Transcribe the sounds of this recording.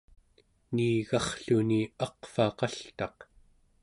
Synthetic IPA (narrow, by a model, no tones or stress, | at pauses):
niːɣɑχɬuniɑqfɑqɑɬt̪ɑq